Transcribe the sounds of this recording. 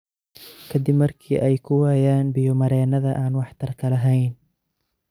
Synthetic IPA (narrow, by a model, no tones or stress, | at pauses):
kʰɐd̪ɪbmɐrkʰiːʔɛjkʰʊwaːjaːnbɪjɔmɐɾɛːnɐðɐʔaːnwɑħt̪ʰɐrkʰɐlɐɦɛjn